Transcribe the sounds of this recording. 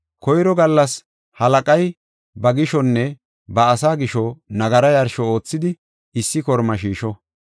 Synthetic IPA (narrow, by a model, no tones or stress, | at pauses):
kɔjɾɔɡɐlːɐs | hɐlɐkʼɐj | bɐɡɪʃɔnːɛ | bɐːsaːɡɪʃɔnɐɡɐɾɐjɐɾʃɔo̞ːt͡sːɪd̪ɪ | ɪsːɪkɔɾmɐʃiːʃɔ